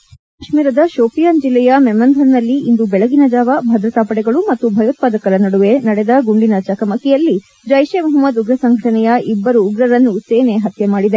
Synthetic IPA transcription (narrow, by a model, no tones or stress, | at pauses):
ɐʂmiːɾɐd̪ɐʃoːpijaːnd͡ʒilːɛjɐmɛmːɐnd̪ʱɐɾnɐlːiind̪ubɛɭɐɡinɐd͡ʒaːʋɐbʱɐd̪ɾɐt̪aːpɐɽɛɡɐɭumɐt̪ːubʱɐjɐt̪̚paːd̪ɐkɐɾɐnɐɽuʋe̞nɐɽɛd̪ɐɡuɳɖinɐt͡ʃɐkɐmɐkɛjɐlːi | d͡ʒɐjʃemɐɦɐmːɐd̪uɡɾɐsɐŋɡʱɐʈɐnɛjɐʔibːɐɾuːɡɾɐɾɐnːuseːneɦɐt̪ʰjɐmaːɽid̪e̞